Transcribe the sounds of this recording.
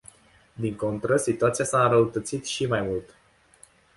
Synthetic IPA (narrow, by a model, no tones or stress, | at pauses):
d̪iŋko̞nt̪ɾəsit̪uat̪sijasaɨnɾəut̪ət̪sit̪ʃimajmult̪